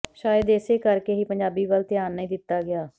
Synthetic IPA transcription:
ʃaːjəd̪eseːkəɾkeːɦiːpəɲd͡ʒaːbiːbəːlt̪ɪjaːnːəĩːd̪ɪt̪ːaːɡɪaː

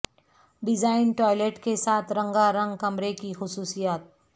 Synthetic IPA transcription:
ɖɪd͡ʒaːɪnʈɔːɪleʈkesaːt̪ʰɾɐ̃ŋɡaɾɐ̃ŋɡkɐmɾekixʊsuːsijaːt̪̚

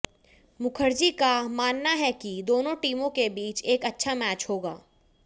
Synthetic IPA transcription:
mʊkʰəɾd͡ʒikamaːnːaɦɛkid̪oːnõʈiːmõkebiːt͡ʃeːkɐtːʃʰamɛːt͡ʃhoːɡaː

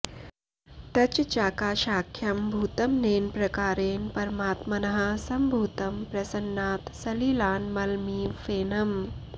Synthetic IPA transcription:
t̪ɐt͡ʃt͡ʃaːkaːʃaːkʰːjɐmbʱuːt̪ɐmneːnpɾɐkaːɾeːnpɐɾmaːt̪mɐnɐɦɐsɐmbʱuːt̪ɐmpɾɐsɐnːaːt̪sɐliːlaːnmɐlmiːfeːnɐm

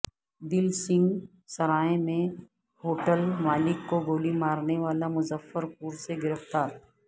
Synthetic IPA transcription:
d̪ɪlsɪ̃ŋɡ | sɐɾaːẽmẽ | ɦoːʈəlmaːlɪkːoɡoːlimaːɾneʋaːlamʊzəfːəɾp̚uːɾseɡɪɾəft̪aːɾ

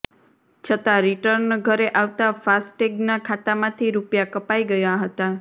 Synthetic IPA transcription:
t͡ʃʰət̪aɾiʈəɾnɡʱəɾeʔaʋt̪afasʈeɡnakʰat̪amãt̪ʰiɾupjakəpaiɡəjaɦət̪a

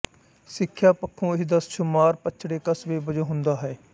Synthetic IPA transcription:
sɪkʰːjaːpəkʰːõːɪsd̪əsʃʊmaːɾpət͡ʃʃʰɽeːkəsʋeːbəd͡ʒõːɦʊ̃nd̪aːɦɛː

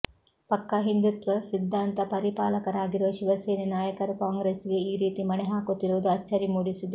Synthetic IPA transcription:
pɐkːɐɦind̪ut̪ʋɐsid̪ʱːaːnt̪ɐpɐɾipaːlɐkɐɾaːɡiɾuʋɐʃiʋɐseːninaːjɐkɐɾɐkaːŋɡɾeːsiɡe̞iːɾiːt̪imɐnɛɦaːkot̪ːiɾuːd̪uɐt͡ʃːɐɾimuːɽisid̪e

